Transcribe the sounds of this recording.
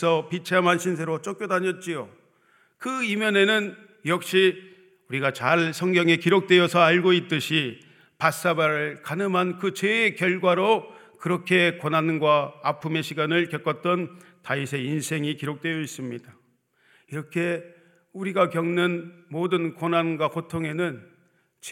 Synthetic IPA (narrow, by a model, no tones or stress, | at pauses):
sʰʌpit͡ɕʰeamɦanɕʰinsʰe̞ɾot͡ɕ͈ok͈̚jodaɲʌt̚t͡ɕ͈ijo | kɯimjʌne̞nɯn | jʌk̚ɕ͈i | uɾiɡat͡ɕaɭsʰʌŋɡjʌŋe̞kiɾok̚t͈we̞jʌsʰʌaɭɡoit̚t͈ɯɕʰi | pas͈abaɾɯɭkanɯmɦankɯt͡ɕeːkjʌɭɡwaɾo | kɯɾʌkʰe̞konanɡwaːpʰume̞ɕʰiɡanɯɭkjʌk͈ʌt̚t͈ʌntaisʰe̞insʰe̞ŋikiɾok̚t͈we̞jʌis͈ɯmɲida | iɾʌkʰe̞ | uɾiɡakjʌŋnɯnmodɯnkonanɡwakotʰoŋe̞nɯn | t͡ɕ